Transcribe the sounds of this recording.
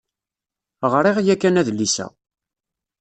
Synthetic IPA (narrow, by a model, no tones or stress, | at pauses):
ʁɾˤiʁjækːænæðlːisæ̰